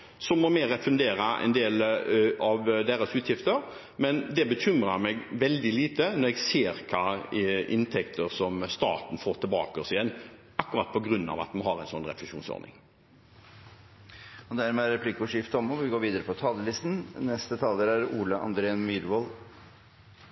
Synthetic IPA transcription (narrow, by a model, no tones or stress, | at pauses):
sɔmɔmeːɾəfʉnd̪eːɾɑʔɛ̰nd̪eːlɑʋd̪eːɾəsʉːt̪jɪft̪əɾ | mɛnd̪ɛbəçʰʏmɾɑɾmɛɡʋɛld̪ɪliːt̪ənɔɾɛɡseːɾkʰɑːɪnt̪ʰɛkt̪ʰəɾsɔmst̪ɑ̰ːt̪n̩foːt̪ʰɪlbɑ̰ːkəsɪɛnː | ʔɑkːʉɾɑt̪̚ːpʰɔɡɾʉnːɑ̰ʋɑ̰t̪mɑnhɑɾɛɪnsɔnːɾɛ̰flɛʂuːnsɔ̰ɾnɪ̰ŋ | ɔd̪æɾmɛæɾɛpʰlɪkʊʂɪft̪ɔmɔʋɪɡoːɾʋiːd̪əɾəpʰɔt̪ʰɑːləlɪst̪n̩nɛst̪ət̪ʰɑːləɾæɾuːləʔɑ̰nd̪ɾeənmyːd̪ʋɔl